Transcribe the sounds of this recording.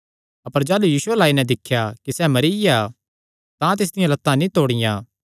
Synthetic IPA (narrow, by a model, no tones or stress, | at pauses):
ɐpəɾd͡ʒaːlujiːsʊɛlaːinɛ̃d̪ɪkʰːjakisɛmɐɾija | t̪ãt̪̬ɪs̬d̪ɪjãlɐt̪ːãnĩt̪oːɽ̃ɪjã̰ː